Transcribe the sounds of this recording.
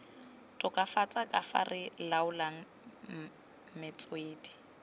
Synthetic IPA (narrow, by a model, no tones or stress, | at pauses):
tʼʊkʼafat͡sʼakʼafa̰rɪlaʊlaŋ̩ | mɪt͡sʼweːdi̥